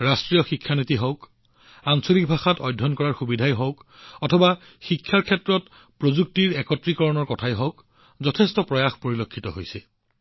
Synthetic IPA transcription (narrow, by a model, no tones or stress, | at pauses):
ɹastɹijɔxikʰːanitiɦɔwk | aŋsolik̚bʱaxatɔjdʱːɔnkɔɹaɹxubidʱajɦɔwk | ɔtʰɔba | xikʰːaɹkʰɛtɹɔt | pɹozuk̚tiɹɛkɔtɹikɔɹɔnɔɹkɔtʰajɦɔʊk | zɔtʰɛstɔpɹɔjaxpoɹilokʰːitɔɦojsɛ